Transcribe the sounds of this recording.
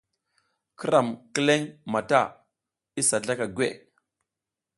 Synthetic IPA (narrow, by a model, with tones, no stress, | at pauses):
kə˦ɾa˨mkə˦le˦ŋma˨ta˦˨ | i˦sa˨ɮa˦ka˨ɡʷwḛ˦˨ʔ